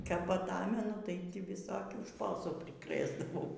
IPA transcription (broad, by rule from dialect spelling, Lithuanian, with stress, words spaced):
kɐp ɐˈtɑːmʲɛnʊ tɐɪ tʲɪ ʋʲɪˈsoːkʲuː ˈʃpoːsuː pʲrʲɪˈkrɘzdɐʋɐʊ